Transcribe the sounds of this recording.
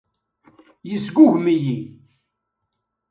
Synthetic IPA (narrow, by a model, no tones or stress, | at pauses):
jəsɡʷʊʝmiji